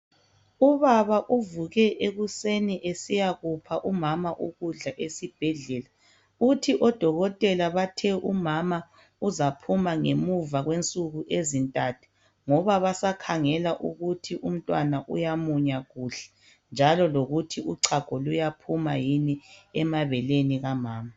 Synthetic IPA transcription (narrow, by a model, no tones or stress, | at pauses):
uβaβaʔuvuɣɛʔeɣuseniʔesijaɣupʰaʔumamaʔuɣuɮaʔesib̥ʱɛɮɛla | utʰiʔɔd̥ʱɔɣɔtʼɛlaβatʰɛʔumama | uzapʰumaŋemuvaɣwent͡sʼuɣuʔezintʼatʰu̥ | ŋɔβaβasakʰaŋɛlaʔuɣutʰiʔum̩tʼwanaʔṵjamuɲaɣuɬɛ̥ | nd͡ʒʱalɔloɣutʰiuǀʰaɡ̥ʱɔlujapʰuma̰jiniɛmaβɛleniɣamaːma